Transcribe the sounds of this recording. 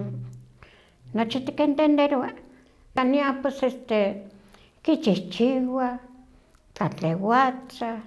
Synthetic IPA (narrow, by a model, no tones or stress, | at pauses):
not͡ʃit̪i̥kent̪end̪eɾwa | kaniapwesest̪e | kit͡ʃiht͡ʃiwa | kat͡ɬewat͡sa